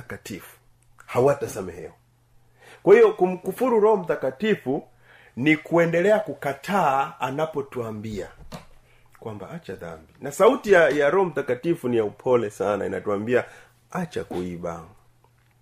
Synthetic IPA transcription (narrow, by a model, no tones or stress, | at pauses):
akatifu̥ | hawatasamɛhɛ̰ɔ | kwahijɔkum̩kufuɾuɾɔhɔm̩takatifu | nikuɛndɛlɛakukatʰaːanapɔtuambia | kwamba̰at͡ʃaða̰mbinasautijajaɾɔhɔm̩takatifunijaupʰɔlɛsana̰ḭna̰tuambia | at͡ʃa̰kuiɓa̰